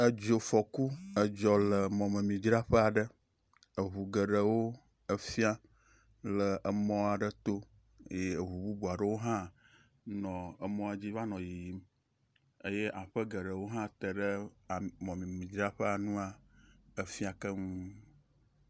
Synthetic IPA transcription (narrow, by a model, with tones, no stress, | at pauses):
ə˦d͡ʒo˨fɔ˨ku˦ə˨d͡ʒɔ˨lə˨mɔ̃˨mə˨mĩ˨d͡ʒɾa˦ɸə˦a˨ɖə˦ | ə˨ɦu˨ɡə˨ɖə˨wo˦ | ə˦fi˦a˦ | lə˨ʔə˨mɔ̃˦a˨ɖə˦t̪o˦ | je˦˨ɦu˨bu˦bu˨a˨ɖə˦wo˦ɦã˦ | nɔ̃˨ə˨mɔ̃˦a˨d͡ʑi˦va˦nɔ̃˨ji˨ji˨m | ə˦je˦ʔa˨ɸə˦ɡə˨ɖə˨wo˦ɦã˦t̪ə˨ɖə˦a˨mɔ̃˨mĩ˨mĩ˨d͡ʒɾa˦ɸə˦a˨nũ˦a˨ə˨fi˦a˨kə˦ŋũ˦